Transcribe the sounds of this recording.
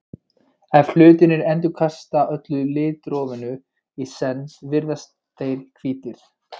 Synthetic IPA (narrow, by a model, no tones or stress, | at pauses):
ɛfl̥ʏːt̪ɪnɪɾɛnt̪ʏkʰast̪aʔœt̪lʏlɪːt̪ɾɔːvɪnʏ | isɛnsvɪɾðɛs | t̪ejɾkʰviːt̪ɪɾ̥